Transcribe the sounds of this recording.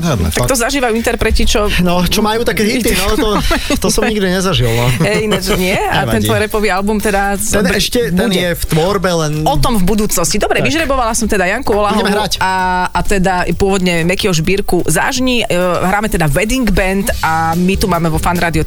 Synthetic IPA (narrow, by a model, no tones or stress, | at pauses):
t̪akt̪ɔzaʒiːʋajuint̪ɛɾpɾɛcit͡ʃɔnɔt͡ʃɔmajuːt̪akɛɦit̪inalɛɔt̪ɔsɔmɲiɡd̪iɲɛzaʒilˠnɔɦɛinɛt̪ɲɪɛat̪ɛnt̪ɔɾɛpɔʋialbumt̪ɛd̪asɔɛʃcɛt̪ɛunjɛft̪ʋɔɾbɛlɛnɔt̪ɔmvbud̪uːt͡snɔscid̪ɔbɾɛʋiʒɾɛbɔʋalasɔmt̪ɛd̪ajaŋkuɔlauɦɟɛmɛɦɾaaːt̪ɛd̪apʊɔʋɔd̪ɲɛmɛkiɔʒbiːɾkuza̰ʒɲiɦɾaːmɛt̪ɛd̪aʋɛd̪iŋɡbɛnt̪amit̪umaːmɛʋɔfanɾaːd̪iɔ